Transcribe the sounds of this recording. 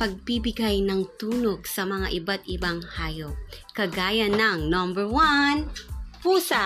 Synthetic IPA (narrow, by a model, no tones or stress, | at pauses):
pɐɡ̚bibɪɡajnɐŋt̪uːnoɡsɐmɐŋa̰ʔɪbat̪̚ʔɪbaŋhaːjop̚ | kɐɡaːjɐnɐŋnombɛɹwanpuːsa